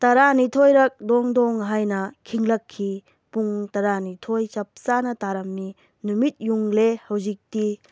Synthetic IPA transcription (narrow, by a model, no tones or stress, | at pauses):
tɐɾanitʰojɾɐk̚dɔŋdɔŋɦajnɐkʰiŋlɐkʰːi | puŋtɐɾanitʰojt͡ʃɐp̚sanɐtaɾɐmni | numit̚juŋlehɐwzik̚ti